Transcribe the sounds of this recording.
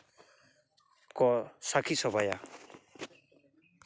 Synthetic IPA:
kɔsakʰisɔbaja̰

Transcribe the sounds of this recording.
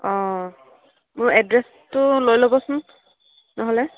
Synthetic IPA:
ɔ̃ | mʊɹɛdɹɛs | tʊlojlobɔsʊn | nɔɦɔlɛ

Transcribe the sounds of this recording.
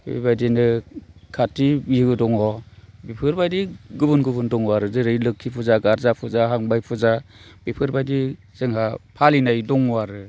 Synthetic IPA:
bḛbajdinɯkʰatːibiɯɡɯdɔŋɔbipʰɯɾbajdiɡɯbɯnɡɯbɯndɔŋwaɾɯzɯɾɯjlɯkʰːipʰuzaɡaɾzapʰɯzaɦaŋbajpʰɯzabipʰɯɾbajdi | z̥ɯŋɦapʰalinajdɔŋwaɾɯ

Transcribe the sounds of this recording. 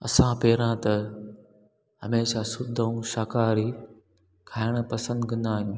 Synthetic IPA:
ɐ̰sãpeːɾãt̪ɐ | ɦɐmeːʃaːsʊd̪ʱəũʃaːkaːɾi | kʰaːɪɽ̃ə̆pɐsə̃nd̪ɡʱɐ̃nd̪aːɦijũː

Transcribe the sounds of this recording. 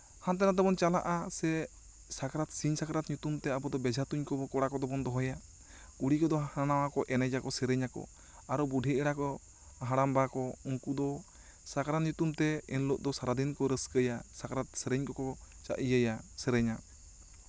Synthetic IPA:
hant̪ɛnat̪ɛbɔnt͡ʃalaʔasɛ | sakaɾat̪siɲsakɾat̪̚ɲut̪umt̪ɛabɔd̪ɔbɛd͡ʒʱat̪uɲkɔbɔkɔɽakɔd̪ɔbɔnd̪ɔɦɔja | kuɽikɔd̪ɔhaanawakɔʔɛnad͡ʒakɔsɛɾɛɲakɔ̰ | aɾɔbuɖʱiɛɽakɔ | ɦaɽambakɔuŋkud̪ɔ | sakaɾaɲut̪umt̪ɛɛnloʔ̚d̪ɔsaɾad̪inkɔɾəskəjasakaɾat̪̚sɛɾɛɲkɔkɔ | t͡ʃa̰ʔijəjasɛɾɛɲa

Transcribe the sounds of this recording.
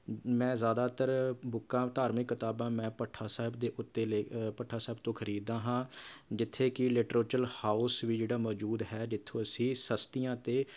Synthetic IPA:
mɛ̃ːzaːd̪aːt̪əɾbʊkːãːt̪aːɾmɪkːɪt̪aːbãːmɛ̃ːpəʈʰːaːsaːɦɪbd̪eːʔʊt̪ːeːleːpəʈʰːaːsaːɪb̚t̪õːkʰəɾiːd̪ãːɦãːd͡ʒɪt̪ʰːeːkɪlɪʈɾoːt͡ʃəlhaːʊsʋiːd͡ʒeːɽaːmɔːd͡ʒuːd̪ɦɛːd͡ʒɪt̪ʰːõːəsĩːsəst̪ɪjãːt̪eː

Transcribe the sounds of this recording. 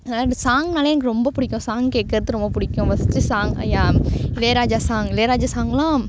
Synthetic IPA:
ɐðnaːsaːŋɡnaːlɐjeːnkɯɾɔmbɐpʊɽɪkʲːʊ̃saːŋɡkeːʈ̚kɐɾɐt̪ːɯɾɔmbɐpʊɽɪkʲːʊ̃ʋɐsɯt͡ʃːɯsaːŋɡɐ̰jːaːɪleːɾaːd͡ʒaːsaːŋɡɪleːɾaːd͡ʒaːsaːŋɡɐlãː

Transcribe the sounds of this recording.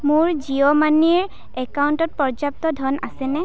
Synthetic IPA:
mʊɹziɔmaniɹ | ɛkauntɔt̚pɔɹzap̚tɔdʱɔnasɛnɛ

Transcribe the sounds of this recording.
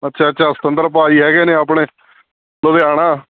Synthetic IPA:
ətːʃʰaːətːʃʰaːsə̥t̪ənd̪əɾpaːiːɦɛːɡɛːnẽːaːp̬ɳeː | loːd̪eːaːɽ̃ãː

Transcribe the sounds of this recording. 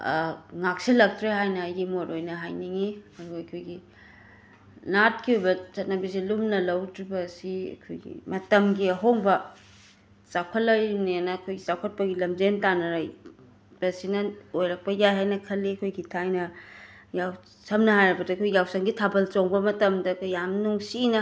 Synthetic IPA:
ŋak̚silɐk̚tʰɾeɦajnɐːjɡimoɾojnɐɦajniŋiɐduɐkʰojɡi | nat̚kiujbɐt͡ʃɐt̚nɐbisilumnɐlɐwdɾibɐsiɐ̰kʰo̰jɡḭmɐtɐmɡiɐɦoŋbɐ | t͡ʃawkʰɐlːɐɾnianɐːkʰojɡit͡ʃawkʰɐt̚pɐɡilɐmd͡ʒentanɐɾaj | b̥ɐsinɐojɾɐk̚pɐjajɦajnɐkʰɐlːiɐkʰojɡitʰajnɐ | jaw | sɐmnɐɦajɾɐbɐdɐkʰoɡijawsɐŋɡitʰabɐlt͡ʃoŋbɐmɐtɐmdɐkʰojamnuŋsinɐ

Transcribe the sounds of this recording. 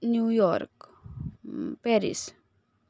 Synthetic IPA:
njujɔɾk | peɾḭs

